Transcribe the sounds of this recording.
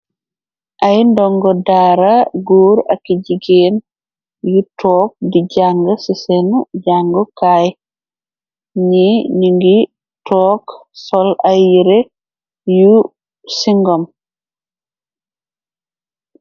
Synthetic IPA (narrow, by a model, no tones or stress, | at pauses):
ʔajndɔŋɡɔdaːɾaɡuːɾakːiɟiɡen | jutʰɔːk̚diɟaŋɡɔsisɛnɟaŋɡɔkaj | ɲiniŋɡi | tɔːksɔlajiɾe | ju | siŋɡɔm